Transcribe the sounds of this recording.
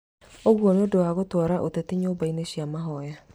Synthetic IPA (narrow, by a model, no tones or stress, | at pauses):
oɣwɔnodoaɣotɔɾaʔotetiɲoːbaineɕiamaɦɔja